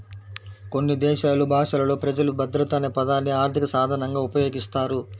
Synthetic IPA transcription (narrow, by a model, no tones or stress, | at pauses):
ko̞nːid̪ɛːʃaːlubʱaːʂɐlɐlo̞ːpɾɐd͡ʒɐlubɐd̪ɾɐt̪aːnepɐd̪aːnːiaːɾt̪ʰikɐsaːd̪ʱɐɳɐŋɡaːupɐjo̞ːɡist̪aːɾu